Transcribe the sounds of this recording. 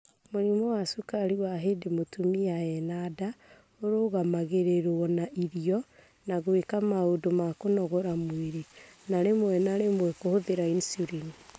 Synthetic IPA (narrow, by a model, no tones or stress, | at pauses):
moɾimɔwasukaɾiwaɦedemotumiaɛnada | oɾoːɣamaɣeɾeɾɔnaʔiɾiɔ | naɣwekamaodomakonɔɣɔɾamweɾenaɾemwɛnaɾemwɛkohoðeɾainsuɾini